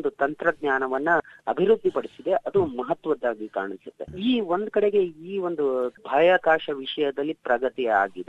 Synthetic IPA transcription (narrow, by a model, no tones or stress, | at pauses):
nd̪ut̪ɐnt̪ɾɐɡɲaːnɐʋɐnːuɐbʱiɾud̪ʱːipɐɽisid̪e̞ʔɐd̪umɐɦɐt̪ʋɐd̪ːaːɡika̰ːɳisut̪ːe̞̰iːʋo̞nd̪kɐɽeɡe̞iːʋo̞nd̪ubʱaːjakaːʂɐʋiʂɐjɐd̪ɐlːipɾɐɡɐt̪ija̰ːɡid̪e